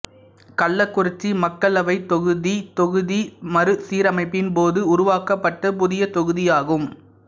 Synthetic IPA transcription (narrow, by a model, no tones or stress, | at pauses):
kɐɭːɐkːʊrɪt͡ʃːimɐkːɐɭɐʋɐɪt̪ɔɣɯðit̪ɔɣɯðimɐɾɯsiːɾɐmɐɪpːɪnpoːðɯʊɾʊʋaːkɐpːɐʈːɐpʊðɪjɐt̪ɔɣɯðɪjaːɣɯm